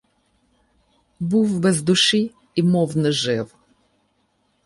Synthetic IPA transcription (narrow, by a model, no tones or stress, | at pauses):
buwbɛzd̪ʊʃiː | mɔwnɨʒɛw